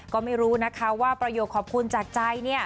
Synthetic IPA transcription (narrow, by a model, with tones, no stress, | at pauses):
kɔː˥˩ma˥˩jɾuː˦˥na˦˥kʰa˦˥waː˥˩pɾa˧joː˨˩t̚kʰɔː˨˩p̚kʰu˧nt͡ɕaː˨˩k̚t͡ɕa˧jni˥˩ɐ